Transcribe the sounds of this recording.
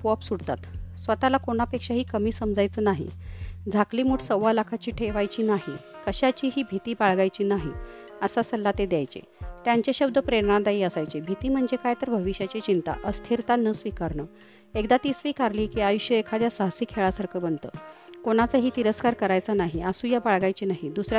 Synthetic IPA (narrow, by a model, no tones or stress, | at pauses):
pɔpsuɽt̪a̰t̪sʋət̪alakoɽ̃apekʂaɦiːkəmiːsəmd͡zajt͡səːnaɦḭd͡zʱakliːmuːʈsəwʋalakʰat͡ɕiːʈʰeʋajt͡ɕiːnaɦikəɕat͡ɕiːɦiːbʱit̪iːbaɭɡajt͡ɕiːnaɦi | əsasəlːat̪ed̪jajt͡ɕḛt̪jaɲt͡ɕaɕəbd̪ʱəpɾeɾɳãd̪aiːəsajt͡ɕebʱit̪iːm̤əɳd͡zekajt̪əɾbʱəʋiɕjat͡ɕet͡ɕint̪a̰ʔəst̪ʰiɾt̪anəsʋikaɾɳə | ekd̪at̪iːsʋikaɾliːkiːajuɕjəekʰad̪jasaɦsiːkʰːeɭasaɾkʰəbənt̪ə̰ːkoɽ̃at͡səɦiːt̪iɾəskaɾkəɾajt͡sənaɦiasũjabaɭɡajt͡ɕiːnaɦid̪usɾa